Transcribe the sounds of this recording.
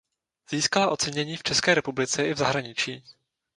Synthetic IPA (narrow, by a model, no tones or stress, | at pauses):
z̥iːskalaʔo̞t͡sɛɲɛɲiːft͡ʃɛskɛːɾɛpublɪt͡sɛʔɪvzaɦɾaɲɪt͡ʃiː